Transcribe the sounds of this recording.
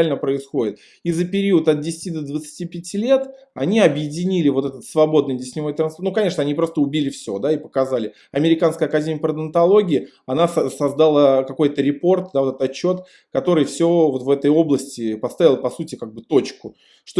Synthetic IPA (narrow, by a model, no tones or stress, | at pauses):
lʲnəpɾəɪsxo̞dʲɪt̪̚ | izːəpʲɪɾʲiʊət̪ɐt̪̚dʲɪsʲɪ̥tʲid̪əd̪vət̪sɨ̥tʲipʲɪtʲilʲe̞t̪ | ɐnʲiɐbjɪdʲɪnʲilʲɪvo̞t̪ɛt̪ət̪svɐbo̞d̪nɨjdʲɪsʲnʲɪvo̞jt̪ɾɐnspnukɐnʲe̞ʂnɐnʲipɾo̞st̪əʊbʲilʲɪfsʲo̞̰d̪aɪpə̥kɐzalʲɪ | ɐmʲɪɾʲɪkanskəjəɐkɐdʲemʲɪjəpɾəd̪ənt̪ɐlˠo̞ɡʲɪɪ | ɐnassɐzd̪alˠəkɐko̞jt̪əɾʲɪpo̞rt̪̚d̪avo̞t̪ɛt̪ət̪ɐt͡ɕːo̞t̪ | kɐt̪o̞ɾɨjfsʲovo̞t̪vɛt̪əjo̞blˠəsʲtʲɪpɐst̪avʲɪlˠpɐsutʲɪkaɡ̚bɨt̪ot͡ɕkʊ | ʂt̪o